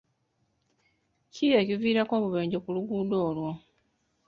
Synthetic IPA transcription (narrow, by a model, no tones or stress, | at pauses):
cijeciviːɾako̞ːβuβe̞ːɲɟo̞kuluɡudoːlwo̞